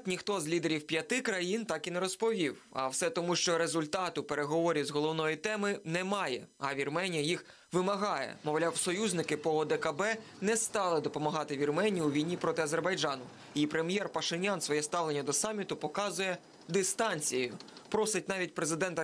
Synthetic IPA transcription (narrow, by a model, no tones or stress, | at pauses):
t̪nʲixt̪ɔzʲlʲid̪eɾʲiwpʲjɐt̪ɪkɾɐjint̪ɑkinɛɾɔspɔʋʲiwɐ̰wsɛt̪ɔmuʃt͡ʃɔɾezʊlʲt̪ɑt̪ʊpeɾeɦɔʋɔɾʲizɦɔlˠɔwnɔjit̪ɛmɪnɛmɑjɛ̰ɐʋʲirmɛnʲijɐjix | ʋɪmɐɦɑjɛ̰mɔʋlʲawsɔjuzʲnɪkɪpɔɔd̪ɛkɐbɛ | nɛst̪ɑlˠɪd̪ɔpɔmɐɦɑt̪ɪʋʲirmɛnʲijuʋʲijnʲipɾɔt̪ɪɐzerbɐjd͡ʒɑnʊ | ipɾemʲjɛrpɐʃɪnʲɑnsʋɔjɛst̪ɑʋlˠenʲːɐd̪ɔsɑmʲːit̪ʊpɔkɑzʊjɛ | d̪ɪst̪ɑnʲt͡sʲijjʊpɾɔsɪt̚ʲnɑʋʲit̚ʲpɾezɪd̪ɛnt̪ɐ